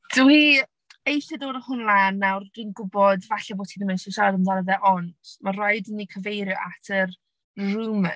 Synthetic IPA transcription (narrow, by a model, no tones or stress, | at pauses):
d̥əwi | ejɬɛdoːdəhʊnlˠanːawrd̥ɪnɡʊbɔdvaɬɛboːtʰinəmɪnsɛʃadəndanəðɛʔɔntmarɔɨdənːikʰəvejɾjɔʔatʰər | rumə